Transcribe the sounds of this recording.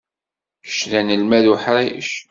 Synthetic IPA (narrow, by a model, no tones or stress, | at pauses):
kə̥ʃðænəlmæðuħɾajəʃ